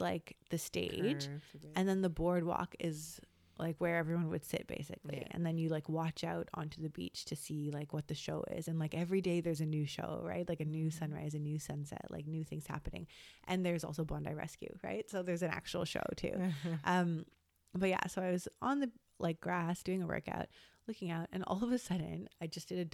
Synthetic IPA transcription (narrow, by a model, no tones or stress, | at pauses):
laɪkðɨstḛɪd͡ʒʔɨ̃nðɨ̃nðəbɔɹd̚wɔ̰kɪz | la̰ɪkwə˞ɛvɹiwʌ̃nwɨ̰d̥sɪ̰t̚b̥ḛɪsɨ̰klḭʔɨ̰̃nðɨ̃njɨlaɪkwɑt͡ʃaʊɾ̰̃n̩tʰʉðɨbḭt͡ʃtʰɨsilaɪkwʌt̪̚ðɨʃoʊɪ̰zɨ̃nlaɪkɛvɹideɪðə˞zɨnʉʃo̰ʊɹa̰ɪt̚laɪkɨnʉsʌ̃nɹa̰ɪzɨnʉsʌ̃nsɛ̰tlʔa̰ɪk̚nʉθɪ̃ŋz̥hæ̰pɨnɪ̰̃ŋʔɨ̃nðə˞zɔ̰lˠsoʊbɑ̃ndaɪɹɛ̰skjʉ̰ɹa̰ɪtsoʊðə˞zɨ̃næ̰k̚t͡ʃuwl̩ˠʃo̰ʊtʰʉ̰ʔʌ̃m | b̥ʌt̚jæ̰soʊaɪwʌzə̃nðɨ | lʔaɪk̚ɡ̥ɹæsd̥ʉɪ̃ŋəwɜ̰˞ka̰ʊt̚lʊkɪ̃ŋaʊtɨ̃nʔɔ̰lˠʌvɨsʌdⁿn̩aɪd͡ʒʌsd̥ɨɾɨ